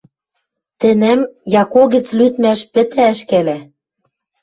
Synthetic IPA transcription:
t̪ɘ̆næmjɑkoɣɘ̆t͡slyt̪mæʃpɘ̆t̪æʃkælæ

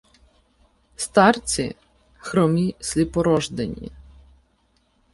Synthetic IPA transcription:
st̪ɑrt͡sʲḭ | xɾɔmʲisʲlʲipɔɾɔʒd̪enʲḭ

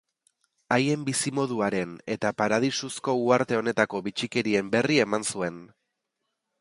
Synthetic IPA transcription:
aje̞mbisimo̞ð̞uaɾe̞ne̞t̪apaɾað̞isusko̞uaɾt̪e̞o̞ne̞t̪ako̞βit͡ʃike̞ɾie̞mbe̞rie̞mansue̞n

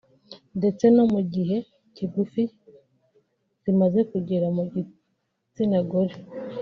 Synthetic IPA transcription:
nde̞t͡se̞no̞muɟiɦe̞ | ciɡufi | z̥imaze̞kuɟeɾamuɟi | t͡sinaɡoɾe

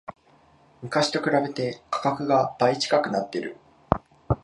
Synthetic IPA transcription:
mɯ̟kaɕi̥t̪o̞kɯ̟ɾabe̞t̪e̞kḁkakɯ̟ɡab̥ait͡ɕi̥kakɯ̟nat̪ːe̞ɾɯ̟̰

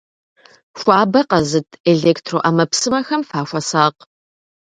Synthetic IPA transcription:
ʃʷaːbɐqɐzɨtʰeɮeːktʰroːʔaːmɐpsɨmɐxɐmfaːʃʷɐsaːq

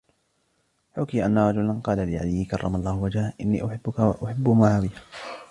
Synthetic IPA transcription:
ħʊkiːʔanːaɾˤɑd͡ʒʊlanqɑːlalɪʔa̰lɪjːɪkɑrˤːɑmalˤːɑːhʊwad͡ʒaːʔɪnːḭːʔʊħɪbːʊkaʔʊħɪbːʊmaʕawɪja

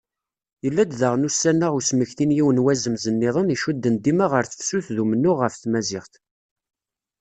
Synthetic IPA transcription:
jəlːæd̪ðəʁnusːænːaʁusməçθinjiwənwæzəmzənːɪðˤəniʃud̪ːənd̪imaʁəɾθə̥fsuθðumənːʊʁːəfθmæzɪχt̪

